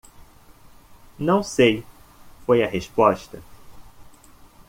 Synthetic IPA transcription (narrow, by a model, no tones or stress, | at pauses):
nɐ̃w̃sejfojɐɦespɔʃt̪ɐ